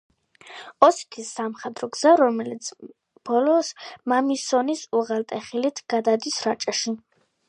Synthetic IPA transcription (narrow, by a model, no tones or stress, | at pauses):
ɔsi̥t̪ʰisːamχɛd̪ʼɾɔɡz̥aɾɔmɛlit̪sʰ | b̥ɔlɔsmamisɔnisuʁalt̪ʼɛχilit̪ʰɡ̥ad̪ad̪isɾat͡ʃʼɛʃi